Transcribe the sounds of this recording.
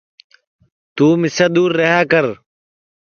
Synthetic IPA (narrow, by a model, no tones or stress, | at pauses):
t̪uːmɪsaːd̪uːɾːəɦaːkəɾ